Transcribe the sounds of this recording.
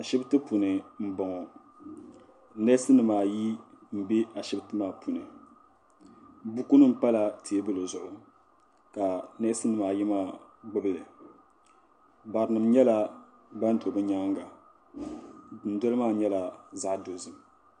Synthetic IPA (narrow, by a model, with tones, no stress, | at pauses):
a˨ʃɪ˦btɨ˦pu˨nɨ˨m̩˦bɔ˨ŋɔ˨ | nɛ˦sɨ˦nɨ˨maː˨ji˦m̩˦bi˦a˨ʃɪ˦btɨ˦maː˦˨pu˨nɨ˨ | bu˦ku˦nɨ˦m̩˨pa˦la˨tʰi˨e˦bɨ˦lɨ˨zʊ˨ʔʊ˨ | ka˨nɛ˦sɨ˦nɨ˨maː˨ji˦maː˦ɡ͡bɨ˦bɨ˦lɨ˨ | ba˨ɾɨ˨nɨ˨mɲɛ˦la˨ | ba˦n˦to˨bɨ˦ɲa˦ŋɡa˨ | dɨ˨n̩˦dɔ˦lɨ˦maː˦˨ɲɛ˦la˨za˦ʔdo˨zɨ˨m˨